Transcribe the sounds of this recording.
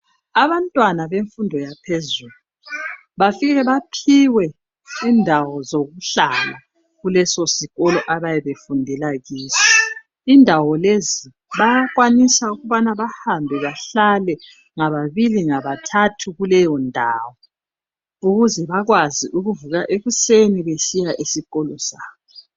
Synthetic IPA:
aβantʼwanaβeɱfundʱɔjapʰezuːlu | βafiɣɛβapʰiwɛ | iːndʱawɔzoɣuɬala | ɣulɛsɔsiɣɔlɔʔaβajɛβefundʱɛlaɣiːsḁ | indʱawɔlezi | βajaɣwanisauɣuβanaβahambʱɛβaɬalɛ | ŋaβaβiliŋaβatʰatʰuɣulɛjɔndʱaːwɔ | uɣuzɛβaɣwaziʔuɣuvuɣaʔeɣuseniβesijaʔesiɣɔlɔsaːβɔ

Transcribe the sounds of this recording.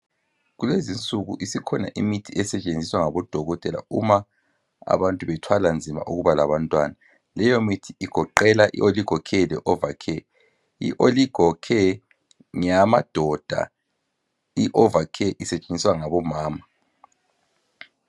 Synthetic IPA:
ɣulezint͡sʼuɣṵʔisikʰɔna̰ʔimitʰiʔɛsɛt͡ʃʼend͡zʱiswaŋaβɔd̥ʱɔɣɔtʼɛla̰uma | a̰βantʼuβɛtʰwaland͡zʱima̰ʔuɣuβalaβantʼwa̰na | lɛjomitʰiiɡ̥ʱɔǃɛlaʔḭoliɡ̥ʱɔkʰɛlɛʔɔvakʰɛ | ḭʔoliɡ̥ʱɔkʰɛ | ŋamad̥ʱɔd̥ʱa̰ | iʔɔvakʰɛʔisɛt͡ʃʼend͡zʱiswaŋaβɔmaːma

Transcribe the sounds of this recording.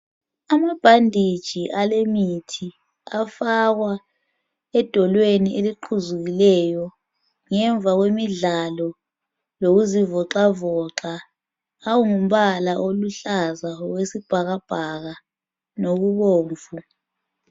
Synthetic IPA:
amab̥ʱandʱid̥ʒ̥ʱiʔalemitʰi | afaɣwa | ɛd̥ʱɔlwenieliǃʰuzuɣilɛjɔ | ŋɛɱb̪vʱaɣwemiɮalɔ | loɣuzivɔǁavɔǁaː | wuŋum̩βalaʔoluɬazaɔɣwesib̥ʱaɣab̥ʱaɣa | noɣuβoːɱvu

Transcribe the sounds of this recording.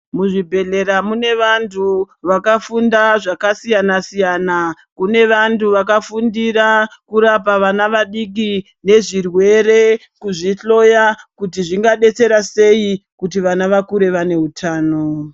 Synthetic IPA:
muʐibʱe̞ɮe̞ɾamune̞ʋantʰu | ʋakafundaʐakasijanasijana | kune̞ʋantuʋakafundiɾakuɾapaʋanaʋaɗik̬i | ne̞ʐirwe̞ɾe̞ | kuʐiɬo̞jakut̬iʐiŋɡaɗe̞t͡se̞ɾase̞ikut̬iʋanaʋakuɾe̞ʋane̞ɦutʰaːno̞

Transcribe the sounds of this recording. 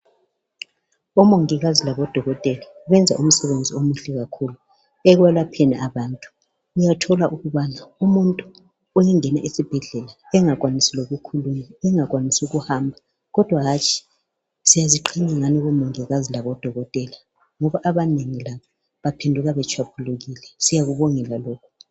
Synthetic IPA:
ɔmoŋiɣazilaβɔd̥ʱɔɣɔtʼɛlaɣwɛnd͡zʱa̰ʔum̩sɛβend͡zʱiomuɬɛɣakʰulu | ɛɣwɛlapʰɛnɛʔaβaːntʼu̥ | ujatʰɔlaʔuɣuβanaumuntʼu | ɔjɛŋɛnaʔisib̥ʱɛɮɛla | ɛŋaɣwanisɛloɣukʰulumaɛŋaɣwanisuɣuhambʱa | ɣɔd̥ʱwaɦat͡ʃʼʰi̥ | sijaziǃʰiɲaŋaniɣumɔŋɛɣazilaβɔd̥ʱɔɣɔtʼɛla | ŋɔβaʔaβaneŋilaβɔ | βapʰendʱuɣaβɛt͡ʃʰwapʰuluɣilɛsijaɣuβɔŋɛlalɔːkʰu̥

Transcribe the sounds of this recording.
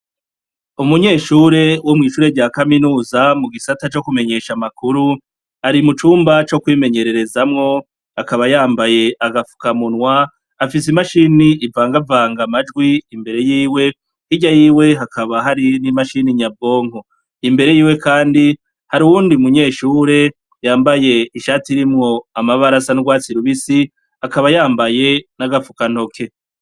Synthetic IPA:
umuɲe̞ːʃuɾe̞womŋiːʃuːɾe̞ɟaːkaminuːzamuɡisatat͡ʃo̞kume̞ɲe̞ʃamakuɾu | aɾimut͡ʃuːmbat͡ʃo̞kwiːme̞ɲe̞ɾe̞ɾe̞zamŋo̞ | akaβajaːmbaje̞ʔaɡafu̥kamunwa | afis̬imaʃiniʔivaːŋɡavaːŋɡamad͡ʒɡwiːmbe̞ɾe̞jiːwe̞ | iɟajiːwe̞ɦakʰaβaɦaɾinimaʃiniɲabo̞ːŋ̥o | imbe̞ɾe̞jiːwe̞kʰaːndi | haɾiwuːndiumuɲe̞ːʃuːɾe̞ | jaːmbaje̞iʃaːtiɾimŋo̞amaβaɾasanuɡwaːt͡siɾuβisi | akaβajaːmbaje̞naɡafukan̥ho̞kʰe̞

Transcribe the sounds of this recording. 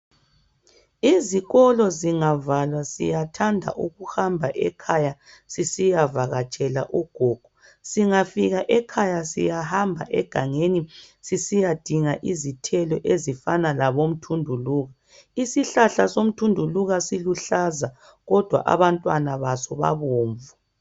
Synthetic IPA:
iziɣɔlɔziŋavalwasḭjatʰandʱa̰ʔuɣuhambʱaʔɛkʰaja | sisijavaɣat͡ʃʼɛla̰ʔuɡ̥ʱɔɡ̥ʱu | siŋafiɣaʔɛkʰajasḭjahambʱa̰ʔɛ̰ɡ̥ʱaŋenisisijad̥ʱiŋaʔizitʰɛlɔʔezifanalaβom̩tʰundʱuluːɣa | isiɬaɬasom̩tʰundʱuluɣasiluɬaza | ɣɔd̥ʱwa̰ʔa̰βantʼwanaβasɔβa̰βoːɱvu

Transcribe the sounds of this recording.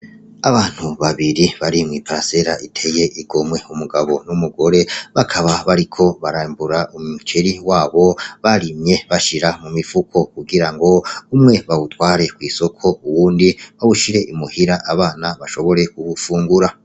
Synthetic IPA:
aβaːn̥huβaβiɾiβaɾimŋiːpaɾase̞ɾaʔitʰe̞je̞ʔiɡo̞mwe̞umuɡaβo̞numuɡo̞ɾe̞βakʰaβaβaɾikʰo̞βaɾaːmbuɾaumut͡ʃeɾiwaːβo̞βaɾimɲje̞βaʃiɾamumifukʰo̞kuɡiɾaŋɡo̞umŋe̞βawutwaːɾe̞kwiːso̞kʰo̞uwuːndiβawuʃiɾe̞ʔimuhiɾaʔaβaːnaβaʃo̞βo̞ɾe̞kuβufuːŋɡuɾa

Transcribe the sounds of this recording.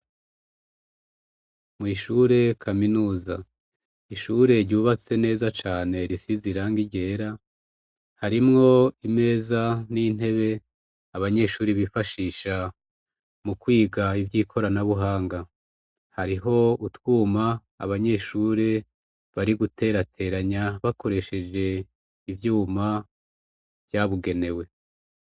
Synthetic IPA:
mŋiːʃuɾe̞kʰaminuːza | iʃuɾe̞ɾɟuːβat͡se̞ne̞ːzat͡ʃaːne̞ɾisiziɾaŋɡiɟe̞ːɾa | haɾimŋo̞ime̞ːzanin̥e̞βe̞ | aβaɲe̞ʃuːɾiβifaʃiːʃa | mukwiːɡaivjiːkʰo̞ɾanaβuɦaːŋɡa | haɾiɦo̞utwuːma̰ː | βaɲe̞ʃuːɾe | βaɾiɡutʰe̞ːɾatʰe̞ːɾaɲaβako̞ɾe̞ʃe̞d͡ʒe̞ | ivjuːma | v̥jaβuɡe̞ne̞we̞

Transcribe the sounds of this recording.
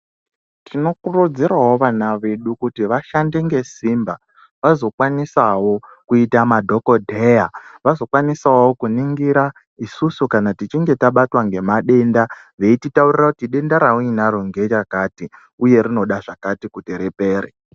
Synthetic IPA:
tʰino̞kurud͡ziraɦwo̞ʋanaʋe̞ɗukutiʋaʃande̞ŋɡe̞simba | ʋazo̞kwanisawo̞kuitamadʱo̞ko̞dʱe̞jaʋazo̞kwanisaowokuniŋɡiɾa | isusukanatit͡ʃiŋɡe̞taɓatwaŋɡe̞maɗe̞nda | ʋe̞ititaurirakutiɗe̞ndaɾauinaroŋɡe̞t͡ʃakati | uje̞rino̞ɗaʐakatikuteɾepe̞ːre

